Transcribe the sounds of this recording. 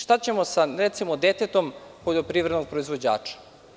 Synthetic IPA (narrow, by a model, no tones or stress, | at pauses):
ʃt̪at͡ɕe̞mosaɾet̪simod̪et̪et̪o̞mpoʎopɾiːʋɾe̞d̪noɡ̚pɾoizʋo̞d͡ʑa̰ːt͡ʂḁ